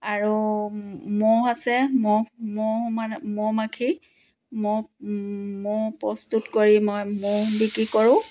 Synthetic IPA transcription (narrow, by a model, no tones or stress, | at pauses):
aɹu | mɔasɛmɔmɔmamɔmakʰi | mɔ | mɔpɹɔstutkoɹimɔjmɔbikɹikɔɹʊ̃